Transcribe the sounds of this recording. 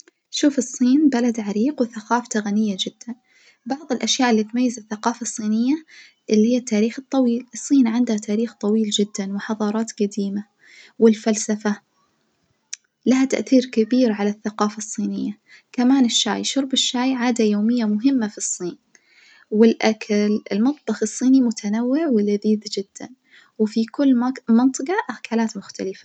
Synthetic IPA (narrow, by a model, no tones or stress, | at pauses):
ʃuːfɨsˤːiːnbalad̪ʕaɾiːqwɪθaqɑːft̪aɣanɪjːad͡ʒɪd̪̥ːan | bɑʕðˤɨlʔaʃjaːʔɪlːiːt̪majːazaθːaqɑːfɑsˤːiːnɪjːa | ʔɪlːihjːat̪ːaːɾiːxɨt̪ˤːɑwiːlɨsˤːiːnʕɪnd̪hat̪ʰaːɾiːxt̪ˤɑwiːld͡ʒɪd̪ːanwɪħɑðˤɑːɾˤɑːt̪ɡad̪iːma | wɪlfalsafa | lahat̪a̰ʔθiːɾkabiːɾʕalaθːaqɑːfɑsˤːiːnɪjːa | kamaːnɪʃːa̰ːjʃʊɾˤbɪʃːaːjʕaːd̪ajoːmɪjːamʊɦɪmːafisˤːiːn | wɪlʔakʰalɪ̰lmɑt̪ˤbɑxɨsˤːiːnimʊt̪ʰanawːɪʕwɪlaðiːd̪d͡ʒɪd̪̥ːa̰n | wfikʊlːmɪnt̪ˤɨqɑʔahkaːlaːt̪mʊxt̪alɪfḁ